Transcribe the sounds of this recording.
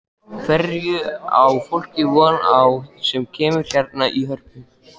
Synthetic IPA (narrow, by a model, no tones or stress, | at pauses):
kvɛɾjʏawfowl̥cɪvɔːnawsɛmcʰɛːmʏɾ̥l̥jaɾt̪̚naʔiɦœr̥pɪn